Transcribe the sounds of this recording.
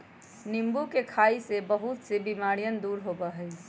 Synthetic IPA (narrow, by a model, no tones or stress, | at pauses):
nimbukekʰaisebəɦut̪sebimaɾijənd̪uɾɦobəɦəɪt͡ʃ